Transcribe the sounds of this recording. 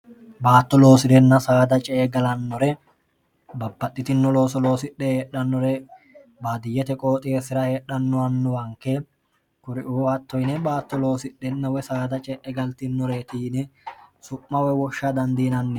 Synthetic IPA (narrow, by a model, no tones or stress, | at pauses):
baːt̪ːɔlo̞ːsɪd̪ɛnːɐsaːd̪ɐt͡ʃʼɛʔːɡɐlɐnːɔɾɛ | bɐbːɐt̪ʼːɪt̪ɪnːɔlo̞ːsɔlo̞ːsɪɗːɛheːɗːɐnːɔɾɛ | baːd̪ɪjːɛt̪ɛkʼo̞ːt̪ʼɪesɪɾɐhe̞ːᶑɐnːɔɐnːɔwɐŋkːɛ | kʊɾɪʔuːhɐt̪ːɔjnɛbaːt̪ːɔlo̞ːsɪɗːɛnːɐwɛsaːd̪ɐt͡ʃʼɛʔɛɡɐlt̪ɪnːɔɾeːt̪iːnɛsʊʔːɐwɛwɔʃːɐd̪ɐnd̪iːnɐnːɛ